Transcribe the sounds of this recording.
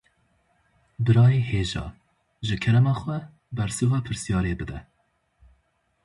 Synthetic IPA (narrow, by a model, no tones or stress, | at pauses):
bɨɾɑːjeːheːʒɑ̰ː | ʒɨkʰɛɾɛmɑːxʷɛ | bɛɾsɨwɛpʰɨɾsijɑːɾeːbɨd̪ɛ